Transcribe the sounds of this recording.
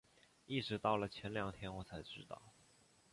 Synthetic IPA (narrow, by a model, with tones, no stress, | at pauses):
i˥˩ʈ͡ʂɻ̩˧˥t̪ɑ˥˩ʊlə˩t͡ɕʰjɛ˧˥nljɑ˨˩ŋt̪ʰjɛ˥nwɔ˧˥t͡sʰa˧˥ɪʈ͡ʂɻ̩˧˥t̪ɑ̰˥˩ʊ